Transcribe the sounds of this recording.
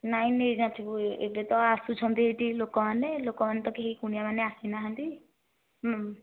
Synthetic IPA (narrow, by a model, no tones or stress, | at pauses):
naj̃ned͡ʒãt̪ʰibuḛʈet̪ɔasut͡ʃʰɔnt̪iɦeʈilokɔmanelokɔmant̪ɔkeɦikunijamaneasinaɦant̪i | ɦ